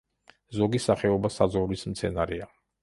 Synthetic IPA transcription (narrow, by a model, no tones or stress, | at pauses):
zɔɡisaχɛɔbasazɔvlismt̪sʰɛnaɾɛa